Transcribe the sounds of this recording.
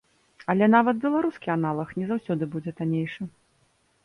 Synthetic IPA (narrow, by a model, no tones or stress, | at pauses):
ɐlʲɛnavɐt̪̚bʲɛlˠaɾuskʲianalˠɐxnʲɛzawsʲɔd̪ɨbud͡zʲɛt̪anʲejʂɨ